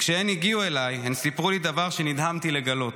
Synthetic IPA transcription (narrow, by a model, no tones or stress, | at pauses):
kʃeeniɡiue̞lajemsipʁulid̪avaʁʃe̞nid̪hamt̪ile̞ɡalo̞t